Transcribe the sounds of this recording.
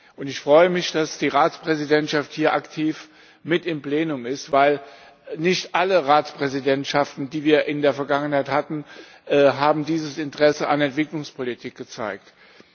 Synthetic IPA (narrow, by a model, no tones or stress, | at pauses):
ʔʊntɪçfʁ̥ɔʏəmɪçd̥asd̥iːʁaːt͡spʁ̥ɛzidɛntʃafthiːɐʔaktʰiːf | mɪtɪmpl̥eːnʊmɪstv̥aɪl | nɪçtʔaləʁaːt͡spʁ̥ɛzidɛntʃaftn̩diːviːɐʔɪndeːɐfɛɐɡaŋənhaɪthatn̩ | ʔɛːɦaːbm̩diːzəsɪntəʁɛsəa̰nɛntv̥ɪklʊŋspʰolitʰiːk̚ɡ̥ət͡sa̰ɪkt